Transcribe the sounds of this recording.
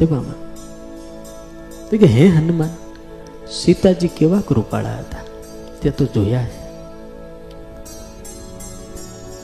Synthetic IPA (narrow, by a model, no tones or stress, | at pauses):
t̪ebama̰n | t̪ekeɦẽɦənuman | sit̪ad͡ʒikeːʋakəɾupa̰ːɭa̰ət̪a | t̪at̪od͡ʒoːjase